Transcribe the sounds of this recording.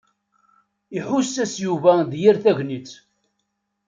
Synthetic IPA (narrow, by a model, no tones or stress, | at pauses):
iħusːæsjuvæðjiɾθæʝnit͡sː